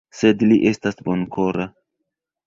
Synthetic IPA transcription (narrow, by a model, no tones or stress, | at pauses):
se̞dliʔe̞stasbonkoɾa